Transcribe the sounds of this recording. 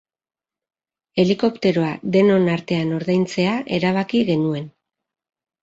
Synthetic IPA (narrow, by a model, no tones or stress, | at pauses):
e̞liko̞pt̪e̞ɾo̞aðe̞no̞naɾt̪e̞ano̞ɾðajnt͡se̞aʔe̞ɾaβ̞akiɣe̞nue̞n